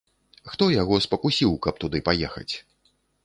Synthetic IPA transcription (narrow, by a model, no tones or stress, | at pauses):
xt̪ɔjaɣɔspɐkusʲiwkɐp̚t̪ud̪ɨpajɛxɐ̰t͡sʲ